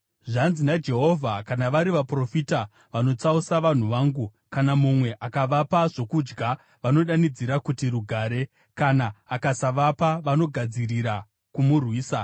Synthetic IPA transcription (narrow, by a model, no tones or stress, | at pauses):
ʐanzinad͡ʒe̞ɦo̞vʱakanaʋaɾiʋapro̞fita | ʋano̞t͡sausaʋan̤uʋaːŋɡu | kanamumwe̞ʔakaʋapaʐo̞kud͡ʒɡa | ʋano̞ɗanid͡ziɾakutiruɡʱaːɾe̞ | kanaːkasaʋapaʋano̞ɡʱad͡ziriɾa | kumurwiːsa